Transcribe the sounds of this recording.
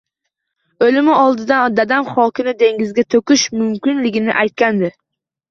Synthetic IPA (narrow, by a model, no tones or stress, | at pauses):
olɪmɪɒlˠd̪ɪd̪and̪ad̪amχɒkʲɪnɪd̪e̞ŋɡʲɪzɡʲat̪ʰokʲɪʃmʊmkʲɪnlɪɡʲɪnɪ̰ʔajt̪̚kʲand̪ɪ